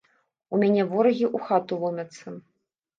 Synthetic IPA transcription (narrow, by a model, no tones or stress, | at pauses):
umʲanʲɛvɔɾɐɣʲiʔuxat̪ulˠɔmʲɐt̪sːɐ